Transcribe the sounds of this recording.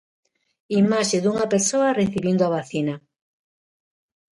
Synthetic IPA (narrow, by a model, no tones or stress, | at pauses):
imaʃeðuŋapeɾsoareθiβind̪oaβaθina